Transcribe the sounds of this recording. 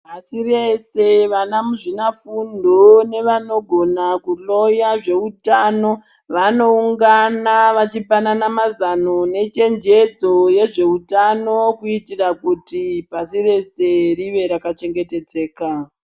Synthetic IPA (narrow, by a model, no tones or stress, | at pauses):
asirese̞ʋanamuʐinafundʱone̞ʋano̞ɡʱo̞nakulo̞jaʐe̞utano̞ | ʋano̞uŋɡanaʋat͡ʃipananamazanone̞t͡ʃe̞nd͡ʒe̞d͡zo̞je̞ʐe̞utano̞kuitirakutipasire̞se̞riʋe̞ɾakat͡ʃe̞ŋɡe̞te̞d͡ze̞ːka